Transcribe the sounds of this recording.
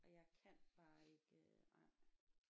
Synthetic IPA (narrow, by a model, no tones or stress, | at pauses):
ʔɒjäɪkʰænb̥ɑ̈ːe̝ɡ̥ənaɪ